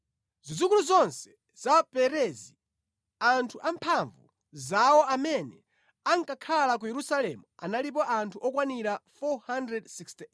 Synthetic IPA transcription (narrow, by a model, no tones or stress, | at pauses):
zizukuluzɔnsɛ̥ | z̥apɛɾɛzi | antʰuʔampʰaɱvṵ | zawɔamɛnɛ | aŋkakʰalak̬ujɛɾusalɛmua̰nalip̬ɔʔantʰuʔɔkwaniɾafɔhandɾɛdsiksti